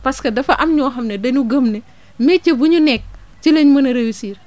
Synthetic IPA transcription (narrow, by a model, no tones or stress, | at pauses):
pɐskɐdɐfɐʔɐmɲɔːxɐmnɛdɐɲuɡəmnɛ | mɛt͡ʃɐbuɲunɛk̚ | t͡ʃilɐɲmɐnɐɾɐjusiːr